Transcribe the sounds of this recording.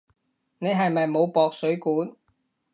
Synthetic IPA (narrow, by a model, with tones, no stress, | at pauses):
ne˨˧jɦɐ˨jmɐ˨jmo˨˧wpɔː˨k̚sɵ˨˥ɥkuː˨˥n